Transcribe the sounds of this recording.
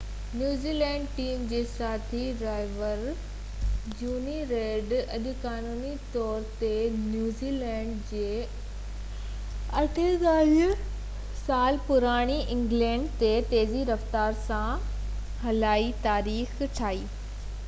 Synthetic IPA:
njuːziːlɛ̃ːɳɖʈiːmd͡ʑeːsaːt̪ʰiɾaːɪʋəɾ | d͡ʑuːniɾeːɖɐʄʊkaːnuːnit̪ɔːɾt̪enjuːziːlɛ̃ːɳɖd͡ʑeː | ɐʈʰed̪aːɦ | saːlpʊɾaːɽ̃iʔɪ̃ŋɡlɛ̃ːɳɖt̪et̪eːziɾɐft̪aːɾsã | ɦɐlaːit̪aːɾiːxʈʰaːiː

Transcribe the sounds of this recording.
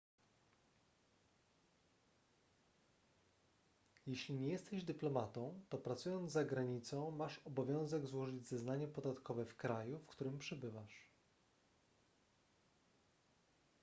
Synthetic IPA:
jɛɕlʲiɲejɛst̪ɛʑd̪ɘplɔmat̪ɔ̃w̃t̪ɔpɾat̪sujɔnd̪zzaɡɾaɲit̪sɔ̃w̃maʂɔbɔvʲjɔ̃w̃zɛɡzwɔʐɘd͡ʑzɛznaɲɛpɔd̪at̪kɔvɛfkɾajufkt̪uɾɘmpʂɛbɘvaʂ

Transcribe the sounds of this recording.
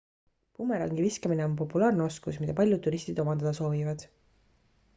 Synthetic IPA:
pumeɾɑ̰ŋɡiviskɑmine̞o̞mp̬o̞pːulɑːrneo̞skusmid̪ɑpɑlʲjud̪̚ːuɾist̪id̪o̞mɑnɑd̪ɑso̞ːvivɑd̪̥

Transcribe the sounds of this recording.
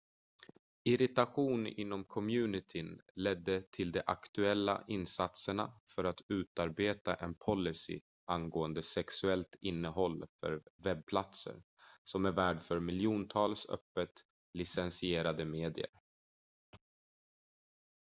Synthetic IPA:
ɪɾɪt̪aɧuːnɪ̰nːɔmkʰɔmjʉ̟ːnɪt̪ʰɪnlɛd̪ːət̪ʰɪld̪ɛʔakt̪ɵɛlːa̰ʔɪnsat̪səɳa̰fœɾat̪ʰʉ̟ːt̪aɾbeːt̪aʔɛnpʰɔlːɪsɪ̰ | ʔanɡoːənd̪əsɛksɵɛlt̪ʰɪnːəɦɔlːfœ̰ɾvɛb̚pʰlat̪sə̰ɾ | sɔmæɾvæːɖfœɾmɪljuːnt̪ʰɑːlsœ̰pːət̪ | lɪsɛnsɪeːɾad̪əmeːd̪ɪ̰ə̰ɾ

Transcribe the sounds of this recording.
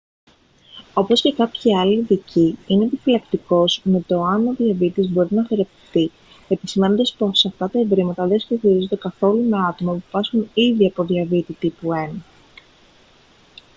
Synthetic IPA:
o̞po̞sce̞kɐpçiɐliðiciine̞ːpifilɐkt̪iko̞zme̞t̪o̞ɐno̞ðiɐvit̪izbo̞ɾinɐfeɾe̞pefti | e̞pisime̞no̞nd̪ɐspo̞sɐft̪ɐt̪ɐe̞vɾimɐt̪ɐðeskoxiɾizod̪e̞kɐθo̞lumeɐt̪o̞mɐpupɐsxuniðiɐpo̞ðiɐvit̪it̪ipue̞nɐ

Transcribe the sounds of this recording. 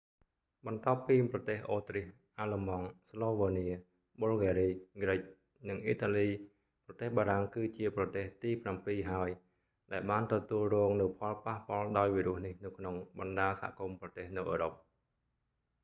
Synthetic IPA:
ɓɑnt̪ŏəpːiːmprɑt̪eːhʔoːt̪rih | ʔaːləmɑŋsloːʋaːniə | ɓoːlɡaːɾiːɡrɨc̚ | nɨŋʔḭːt̪aliː | prɑt̪eːhɓaːɾaŋkɨːt͡ɕiəprɑt̪eːht̪iːprampiːɦaəj | ɗaɛlɓaːnt̪ɔt̪uəlrɔːŋnɨwpʰɑlpahpŏəlɗaɔjʋiːɾŭəhnihnɨwkʰnoŋɓɑnɗaːəsaɦa̰ʔkumprɑt̪eːhnɨwʔəːɾop̚

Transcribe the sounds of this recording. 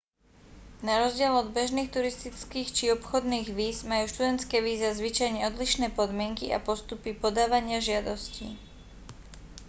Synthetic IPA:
naɾɔzɟɪɛlɔd̪bɛʒniːxt̪uɾist̪it͡skiːxt͡ʃiɔpxɔd̪niːɣʋiːzmajuːʃt̪ud̪ɛnt̪skɛːʋiːzazʋit͡ʃajɲɛɔd̪liʃnɛːpɔd̪mɪɛŋkḭʔa̰pɔst̪upipɔd̪aːʋaɲɪaʒɪad̪ɔscḭ

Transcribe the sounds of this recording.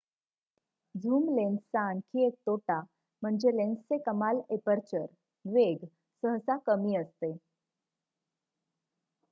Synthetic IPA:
d͡zʱuːmlensankiek̚t̪oʈa | m̤əɳd͡zelenst͡sekəmalepəɾt͡ɕəɾ | ʋeɡ | səɦsakəmiːəst̪e

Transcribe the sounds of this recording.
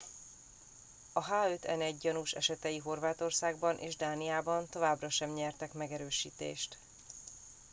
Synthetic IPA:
ɒɦaːøt̪ʰɛ̰nɛɟːɒnuʃɛ̰ʃɛt̪ɛjiɦo̞rvaːt̪o̞rsaːɡbɒnʔḛːʒd̪aːnijaːbɒnt̪o̞vaːbrɒʃɛmɲɛrt̪ɛkmɛɡɛɾøːʃiːt̪ḛːʃt̪

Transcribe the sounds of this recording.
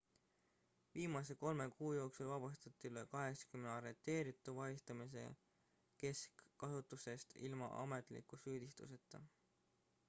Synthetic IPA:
viːmɑse̞ko̞lme̞kuːjo̞ːksulvɑb̥ɑst̪ɑt̪ːˑilekɑɦe̞ksɑ̥kymnɑɾet̪ːˑe̞ːɾit̪ːˑuvɑjist̪ɑmis̬e̞̰ | ke̞skːɑsut̪ːˑuse̞st̪ilmɑ̰ʔɑ̰me̞t̪ˑlḭkːˑusyːd̪̥ist̪ṵse̞t̪ːˑɑ

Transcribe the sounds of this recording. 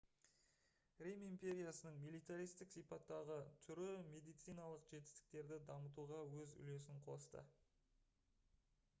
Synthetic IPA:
ɾʲimimpʲe̞ɾʲijasənəɴmilˠijt̪aɾijst̪ɪksijpɑt̪ːɑʁət̪ʰʏɾɪme̞d̪ijt̪sijnɑlˠəqʒe̞t̪ɪ̥st̪ɪ̥k̚t̪e̞ɾd̪ɪd̪ɑmət̪̬uʁɑwɵzʏ̰le̞sɪɴqʰo̞̰st̪ə̰

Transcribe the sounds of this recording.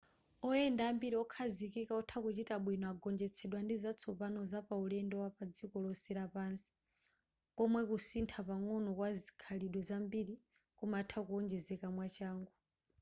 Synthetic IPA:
ɔɛndaːmbiɾiɔkʰazikikaɔtʰakut͡ʃitaɓwinɔaɡɔnd͡ʒɛt͡sʰɛɗwandizat͡sʰɔpanɔzapaulɛndɛwapad͡zikɔlɔsɛɾapaːnsi̥ | kɔmwɛkusintʰapaŋɔnɔkwazi̥kʰaliɗwɛzambiɾi | kɔmatʰakuɔnd͡ʒɛzɛkamwat͡ʃaːŋɡu

